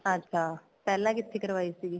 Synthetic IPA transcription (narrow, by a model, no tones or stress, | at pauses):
ad͡ʒkaː | pɛːlãːkɪt̪ʰːeːkəɾʋaːisiɡi